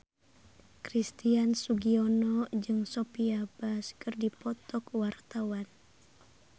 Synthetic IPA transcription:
kɾist̪iansuɡiɔnɔd͡ʒɨŋsɔpiabaskɨrdipɔt̪ɔkwart̪awan

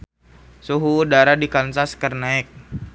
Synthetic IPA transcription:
suɦuːdaɾadikansaskərnaɛk̚

